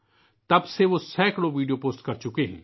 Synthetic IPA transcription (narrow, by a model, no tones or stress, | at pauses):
t̪ɐbseʋosɛːkɽoʋiːɖijoːpoːsʈkɐɾt͡ʃʊkeɦɛ̰̃ː